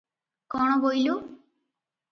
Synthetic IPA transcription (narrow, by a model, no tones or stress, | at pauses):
kɔɽ̃ɔbojlu